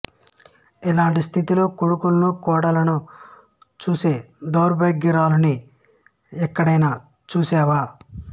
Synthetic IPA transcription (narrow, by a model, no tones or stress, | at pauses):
ɛlaːɳʈist̪ʰit̪ilo̞ːkoɽukulɐnukɔːɽalɐnu | t͡ʃuːse̞ː | d̪oːɾbɐjɡːiɾaːluni | ɛkːɐɽɐjnaː | t͡ʃuːsɛːʋaː